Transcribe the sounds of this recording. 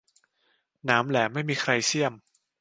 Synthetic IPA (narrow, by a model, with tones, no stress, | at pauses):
naː˩˦mlɛː˩˦ma˥˩jmiː˧kʰɾa˧jsʰi˥˩əm